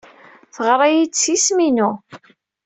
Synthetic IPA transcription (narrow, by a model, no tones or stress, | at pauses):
θəʁɾˤajisisminu